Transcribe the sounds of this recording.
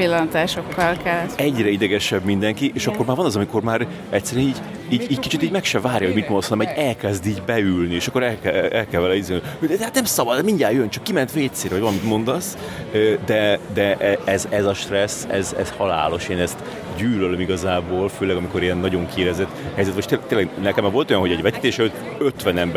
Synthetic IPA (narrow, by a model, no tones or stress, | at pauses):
pilːɒnt̪aːʃo̞kːɒlkɛlːt̪ɛɟrɛid̪ɛɡɛʃɛbmind̪ɛŋkiʔeːʃɒkːo̞rɾmaːɾvɒnɒzɒmiko̞rmaːɾ | ɛct̪sːɛɾyɛniːɟ | iːɟiːckit͡ʃit̪iːɟmɛkʃɛvaːrjɒɦo̞ɟmit̪monosnmɛɟɛlkɛzd̪iːɟbɛylnieːʃɒkːo̞ɾɛlkɛɛlkɛlvɛlɛizønhod̪ɛhat̪nɛmsɒbɒd̪miɲɟaːjønt͡ʃɒkːimɛnt̪ʋeːt̪seːɾɒɟvɒlmit̪mo̞nd̪ɒs | ød̪ɛd̪ɛʔɛɛzɛzɒʃt̪rɛsɛ̰zɛ̰z̥hɒla̰ːlo̞ʃeːnɛst̪ | ɟyːlølømiɡɒzaːboːlføːlɛɡɒmiko̞ɾiɛnːɒɟo̞ŋkʰeːɾɛzɛt̪ːhɛjzɛt̪moʃt̪et̪eːlɛɡnɛkɛmɛvo̞lt̪o̞jɒnɦo̞ɟɛɟvɛt̪i̥t̪eːʃɛløt̪ | øt̪ʋɛnɛmb